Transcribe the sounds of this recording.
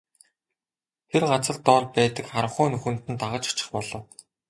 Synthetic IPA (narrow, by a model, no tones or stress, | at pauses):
t̪ʰerɢat͡sə̆ɮt̪ɔːɮpæːt̪ə̆kχaɾə̆χʊːnɵxɵ̆n̥t̪ɘ̆nt̪aʁə̆t͡ɕɔ̥t͡ɕɪ̆χpɔɮɞ̆w